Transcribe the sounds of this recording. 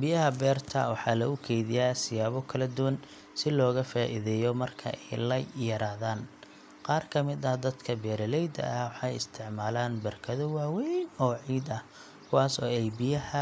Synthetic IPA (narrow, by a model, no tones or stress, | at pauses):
bɪjɐɦɐbɛːrt̪ʰɐ̰wɑħɑːlɐɣʊkʰɛjðɪjaːsɪjaːβɔkʰɐlɐd̪ʊwɐn | sɪlɔːɣɐfaːʔɪðɛːjɔmɐrkʰɐ̰ʔɛjlɐjjɐɾaːðaːn | qɑːrkʰɐmɪd̪ɐhd̪ɐd̪kʰɐbɛːɾɐlɛjd̪ɐ̰ʔɐwɑħɑjɪst̪ʰɪʕmaːlaːnbɐrkʰɐðɔwaːwɛjnɔːʕiːd̪ɐh | kʰʊwaːsɔːɛjbɪjɐhɐ